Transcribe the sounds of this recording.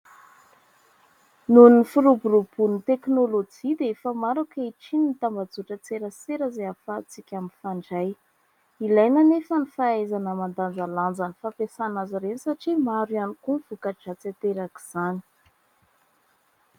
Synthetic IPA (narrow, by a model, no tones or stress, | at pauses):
nunifiɾuburub̥unit̪eknolod͡ʒid̪eefəmaɾakaiʈ͡ʂinit̪ambad͡zuʈ͡ʂət͡seɾət͡seɾəzeafat͡sikʲaminfaɳɖ͡ʐaj | ilajnanefənifaazanəmand̪and͡zaland͡zanifapesanaziɾenisaʈ͡ʂimaɾuanikunfukad͡ʒat͡sat̪eɾaki̥z̥ani̥